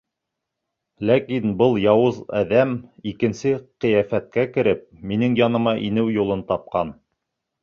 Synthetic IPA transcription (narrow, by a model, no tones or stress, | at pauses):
lækinbɤlˠjɑwɤzæ̰ðæmikɘ̆nsɘqɤ̆jæfæt̪̚kækɘ̆ɾɘp̚minɘŋjɑnɤ̆mɑʔinɘwjulˠɤnt̪ɑp̚qɑn